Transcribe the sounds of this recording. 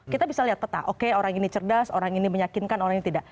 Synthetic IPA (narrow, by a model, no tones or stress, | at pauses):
kit̪abisaliɦat̪̚pət̪a̰ʔokeoɾaŋinit͡ʃərdaso̰ɾaŋiniməɲakinkanoɾaŋiɲit̪idaʔ